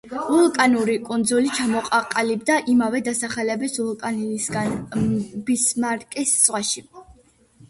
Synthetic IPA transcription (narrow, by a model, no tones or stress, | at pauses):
vulˠkʼanuɾikʼund̪zulit͡ʃʰamɔqʼaqʼalibd̪aʔimavɛd̪asaχɛlɛbisvulˠkʼansɡa | bismaɾkʼist̪sʼʁwaʃi